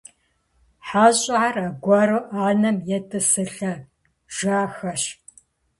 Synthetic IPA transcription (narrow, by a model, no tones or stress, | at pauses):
ħaːɕʼɪʕarɐɡʷɐroʔaːnɐmjɛtʰʼɨsɨɬɐ | ʒ̥aːxɐɕ